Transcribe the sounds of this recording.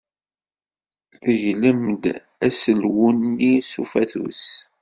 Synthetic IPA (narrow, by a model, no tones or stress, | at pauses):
θəʝləmd̪ | æsəlwunːisufæθṵs